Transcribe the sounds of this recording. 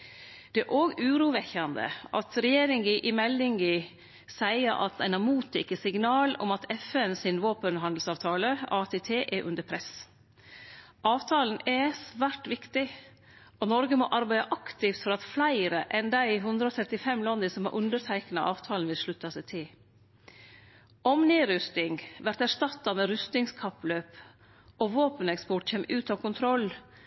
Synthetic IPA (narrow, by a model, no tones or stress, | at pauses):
d̪̥ɛæʔoːɡʉːɾuːʋɛçɑnd̪ə̰ʔɑ̰t̪ɾɛjeːɾɪŋɡɪʔɪmɛlːɪŋɡɪ | sæɪəɾʔɑ̰t̪æɪnɑmuːt̪ɪkəsɪɡnɑːlɔ̰mɑt̪ʰɛfɛnsɪnʋoːpənɦɑnd̪l̩sɑːʋt̪ʰɑːləɑːt̪ʰeːt̪ʰeːʔɛʔʉ̰nd̪əɾpʰɾɛs | ʔɑːʋt̪ʰɑːln̩ɛsʋæːʈʋɪkt̪ɪ | ʔɔnɔɾɡəmɔʔɑɾbæɪd̪ɑʔɑkt̪ɪft̪fɔɾɑt̪flæɪɾəʔɛnd̪æɪɦʉnd̪ɾəɔːt̪ʰɾɛt̪ɪfɛmːlɑnd̪əsɔmhɑ̰ʔʉnd̪əɾtʰæɪknɑʔɑːʋt̪ʰɑːlnʋɪlʂɭʉt̪ːɑsæɪt̪ʰɪl | ʔɔmniːɾʏst̪ɪŋʋæɾt̪æʂʈɑt̪ːɑmɛɾʉst̪ɪŋskʰɑpløːp | ɔʋoːpənɛkspɔʈçeːmːʉːt̪ɑːʋkʰʊnt̪ʰɾɔlː